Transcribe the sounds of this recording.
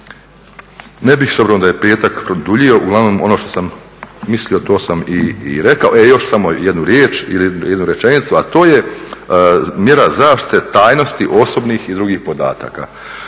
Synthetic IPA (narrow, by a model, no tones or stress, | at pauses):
nebixsobɾonod̪ajepe̞ːt̪akpɾod̪uʎio̞ʔuɡlˠaʋno̞mo̞noʃt̪o̞samː | islio̞t̪o̞ːsamiːɾe̞kaoejo̞ʃsamojed̪nuɾjeːt͡ʃḭlijɛd̪nuɾje̞t͡ʃe̞nit̪suat̪o̞ːje̞ | mje̞ɾazaːʃt̪i̥t̪et̪aːjno̞st̪iʔo̞so̞bniːxid̪ɾuɡiːxpo̞d̪a̰ːt̪a̰ːka̰